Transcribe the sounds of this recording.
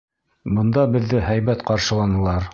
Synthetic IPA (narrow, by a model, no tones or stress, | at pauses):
bɤ̆nd̪ɑbɘ̆ðːɘhæjβæt̪qɑɾʃɤ̆lˠɑnɤ̆lˠɑɾ